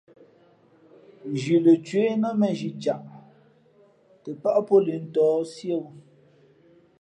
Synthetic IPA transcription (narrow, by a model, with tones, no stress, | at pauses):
n˨d͡ʒi˨le˨t͡ʃwe˨˦nə˦mɛ˨ʒi˨t͡ʃa˨ʔ | tə˨pa˦ʔpo˦li˨n̩˦tɔː˨˦sje˦wu˦